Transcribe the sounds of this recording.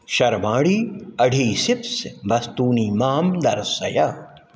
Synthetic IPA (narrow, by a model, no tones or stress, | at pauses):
ʃɐɾmaːɽiːɐɖʱiːsɪpsbɐst̪uːniːmaːmd̪ɐɾsɐ̰jaː